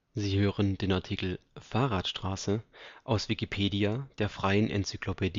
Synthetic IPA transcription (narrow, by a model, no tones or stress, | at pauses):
ziːhøːʁəndeːnaɐtʰikl̩faːʁaːtʃtʁ̥aːsəʔaʊsv̥ikipʰeːdiad̥eːɐfʁ̥aɪənʔɛ̰nt͡syklopʰediː